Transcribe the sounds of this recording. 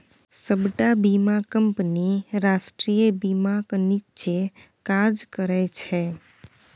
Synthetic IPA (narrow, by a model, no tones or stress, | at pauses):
səbʈabimakəmpniɾasʈɾijəbimaknit͡ʃe | kad͡ʒkəɾajt͡ʃʰe